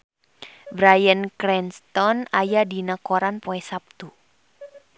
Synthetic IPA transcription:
bɾajənkɾɛnst̪ɔnajadinəkɔɾanpoɛsap̚t̪u

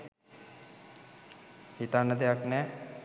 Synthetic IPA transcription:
hit̪anːəd̪ejaknɛː

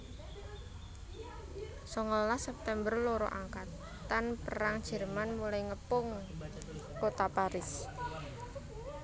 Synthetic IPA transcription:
sɔŋɔllahsɛp̚t̪ɛmbərloɾɔ̰ʔaŋkat̪ː | anpəɾaŋd̥ʒ̥ə̤rmanmulaiŋəpʊŋ | kot̪apaɾɪs

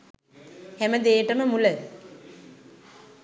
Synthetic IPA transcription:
hæməd̪eːʈəməmulə

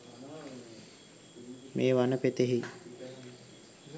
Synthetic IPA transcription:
meːʋanəpet̪eɦi

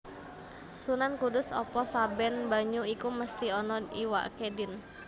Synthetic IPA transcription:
sunankudʊsɔ̰pɔsabɛnbaɲuikuməst̪iɔnɔiwa̰kedɪn

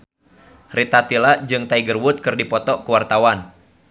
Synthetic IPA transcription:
rit̪at̪ilad͡ʒɨŋt̪aiɡərwʊt̪̚kɨrdipɔt̪ɔkuwart̪awan

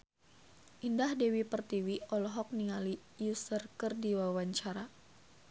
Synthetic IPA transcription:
ʔindahdewipərt̪iwiɔlɔɦɔk̚niŋali | jusərkɨrdiwawaɲt͡ʃaɾa

